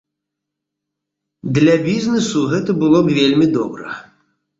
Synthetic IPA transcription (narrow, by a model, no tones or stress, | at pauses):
d̪lʲɐbʲiznɛsuɣɛt̪ɐbɨlˠɔbvʲelʲmʲid̪ɔbɾɐ̰